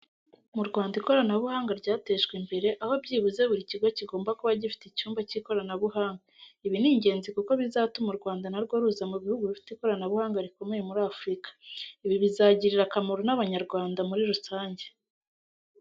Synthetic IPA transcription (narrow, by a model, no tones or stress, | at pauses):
muɾɡwaːndiko̞ɾanaβuhaːŋɡaɾɟaːte̞ʃɡwembe̞ɾe̞ʔahobɟiːβuze̞βuɾiciɡwociɡo̞ːmbakoβaɟifi̥teicuːmbaciko̞ɾanaβuhaːŋɡaiβiniːɲɟe̞ːnzikuko̞βizatumuɾɡwaːndanaɾɡo̞ɾuzamuβihuɡuβifi̥teko̞ɾanaβuhaːŋɡaɾiko̞me̞jemuɾaːfɾikḁiβiβizaɟiɾiɾakamoɾonaβaɲaɾɡwaːndamuɾiɾusaːɲɟe̞̥